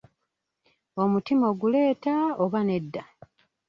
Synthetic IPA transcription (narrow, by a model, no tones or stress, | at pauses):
o̞mutimo̞ɡule̞ːtaoβane̞dːa